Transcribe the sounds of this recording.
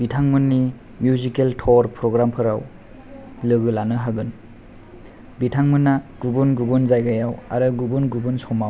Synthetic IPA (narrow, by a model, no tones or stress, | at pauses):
bitʰaŋmɯnːi | mjuzikeltʰɔɾpʰɾɔɡɾampʰɯɾaw | lɯɡɯlanɯɦaɡɯn | bitʰaŋmɯnːaɡ̥ubunɡubunzajɡajawa̰ɾɯɡubunɡubunsɔmaw